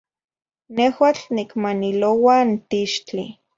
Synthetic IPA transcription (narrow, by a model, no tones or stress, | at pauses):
nehwat͡ɬnikmanilowant̪iʃt͡ɬi